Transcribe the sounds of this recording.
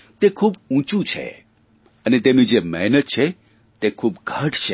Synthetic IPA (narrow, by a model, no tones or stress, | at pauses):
t̪ekʰuːbũt͡ʃũt͡ʃʰḛ | ənet̪emnĩd͡ʒemɛɦnət̪̚t͡ʃʰe | t̪ekʰuːbɡʱəʈʰt͡ʃʰe